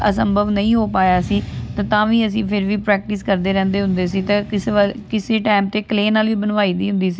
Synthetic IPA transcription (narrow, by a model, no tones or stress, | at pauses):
ə̰səmbʱəʋnəĩːɦoːpaːjaːsiːt̪ãːt̪ãːʋiːəs̬ĩːpʰɪɾʋiːpɾɛːk̚ʈɪskəɾd̪eːɾɛ̃ːnd̪eːɦʊ̃nd̪eːs̬iːt̪ãːkɪseʋkɪseːʈaːɪmt̪eːkleːnaːlʋiːbənʋaːiːd̪iːɦʊ̃nd̪iːsiː